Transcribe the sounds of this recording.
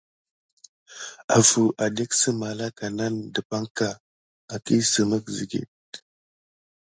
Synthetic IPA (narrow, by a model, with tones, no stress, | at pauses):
a˨vu˨ʔa˨de˦ksə˦ma˨la˦ka˨na˦ndə˨pa˦ŋka˨ | a˨ki˦sə˨mə˦kzḭ˨ɡḭ˨t̚